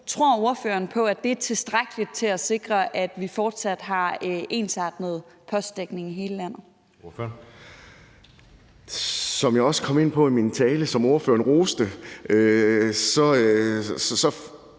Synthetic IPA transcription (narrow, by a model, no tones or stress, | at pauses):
t͡sʰʁo̝ɐ̰o̝ɐfø̰ɐnpʰɒ̽æd̥e̝æɐt͡sʰe̝lsd̥ʁaɡ̥əlid̥̚t͡sʰe̝læse̝ɡ̥ʁɐʔæd̥ʋifɒːd̥sæd̥ɦɑ̈ʔe̝̰ːnsɑ̈ːd̥nəð̞̩ˠ | pʰɒ̽sd̥eɡ̥ne̝ŋiɦe̝ːləlæn̰ð̞̩ˠ | sɒ̽mjɑ̈ɪɒ̽sə̥kʰɒ̽me̝n̰pʰɒ̽imint͡sʰɛːləsɒ̽mo̝ɐfø̰ːɐnʁo̝ːsd̥əʔøsɒ̽ | sɒ̽